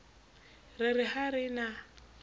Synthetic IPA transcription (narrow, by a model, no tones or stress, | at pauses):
rɪrɪhaɾɪna